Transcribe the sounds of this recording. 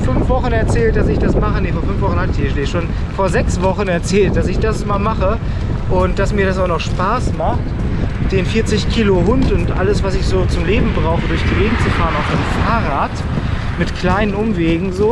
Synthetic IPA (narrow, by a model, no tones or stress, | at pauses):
fʏnfv̥ɔχn̩ɛɐt͡sɛːlt̚d̥asɪçd̥asmaχənefoːɐfʏnfv̥ɔχn̩hatɪçiːdeːʃoːn | foːɐzɛksv̥ɔχn̩ɛɐt͡sɛːlt̚d̥asɪçd̥asmaːlmaχə | ʔʊnt̚d̥asmiːɐɾasaʊnɔχʃpaːsmaχt | d̥eːnfiːɐt͡sɪçkʰiːloɦʊntʊntʔa̰ləsv̥asɪçz̥oːt͡sʊmleːbm̩bʁaʊxədʊɐçd̥iveːɡŋ̩t͡sufaːʁənaʊfd̥eːmfaːʁaːt | mɪtkʰl̥aɪnənʔʊmveːɡŋ̩zoː